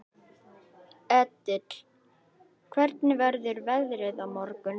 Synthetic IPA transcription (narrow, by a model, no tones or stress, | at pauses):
ɛt̪ːɪt̪l̥ | kʰvɛɾt̪nɪvɛɾðʏɾvɛðɾɪðawmɔɾkʏn